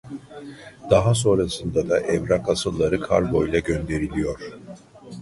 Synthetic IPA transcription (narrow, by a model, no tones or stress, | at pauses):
d̪̥aɦas̬o̞nɾasɯnd̪ad̪aʔɛvɾakasɯlˠːaɾɯkʰa̰ɾbo̞jlˠaɟønd̪e̞ɾilʲijo̞ɾ̥